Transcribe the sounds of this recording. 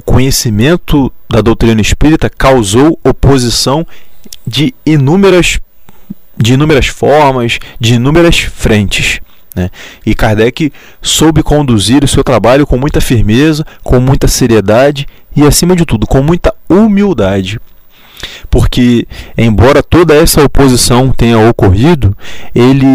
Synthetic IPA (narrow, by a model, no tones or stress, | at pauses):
ʊkõɲesimẽnt̪ʊd̪ɐd̪owt̪ɾĩnɐiʃpiɾit̪ɐkawzowopozisɐ̃w̃d͡ʒɪːnũmeɾɐs | d͡ʒɪinũmeɾɐsfɔɾmɐsd͡ʒɪːnũmeɾɐsfɾẽt͡ʃɪs | nɛɪkaɾd̪ɛkɪ | sowbɪkõnd̪uziɾʊsewt̪ɾabaʎʊkõmũj̃t̪ɐfiɾmezɐkõmũj̃t̪ɐseɾied̪ad͡ʒɪ | ɪasĩmɐd͡ʒɪt̪ud̪ʊkõmũj̃t̪ɐumiwd̪ad͡ʒɪ | poɾkɪẽj̃bɔɾɐt̪od̪ɐɛsɐopozisɐ̃w̃t̪ẽɲɐokoɦid̪ʊelɪ